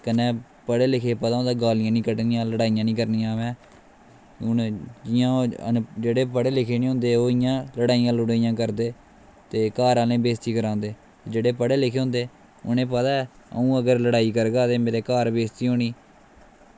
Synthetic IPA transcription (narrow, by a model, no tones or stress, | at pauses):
kənɛ̃ː | pəɽeːlɪkʰeːpət̪aːõnd̪aːɡaːlɪjãːnĩːkəʈnĩjãːləɽaːijãːnĩːk̬əɾnijãːʋɛ̃ː | ʊnd͡ʒɪjãːə̰d͡ʒeːɽeːpəɽeːlɪkʰeːnĩːɦõːnd̪eːoːɪjãːləɽaːijãːlʊɽaːijãːkəɾd̪eː | t̪eːkaːɾaːlẽːbeːst̪iːkəɾãːnd̪eː | t̪ːd͡ʒeːɽeːpəɽeːlɪkʰeːɦõnd̪eː | ʊ̰nẽːpət̪aːɛ | ə̰ũːəɡəɾləɽaːiːkəɾɡaːt̪eːmeːɾeːkaːɾbeːst̪iːɦoːɳiː